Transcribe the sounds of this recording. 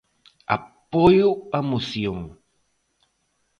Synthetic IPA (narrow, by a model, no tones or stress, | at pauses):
a̰pojuamusjoŋ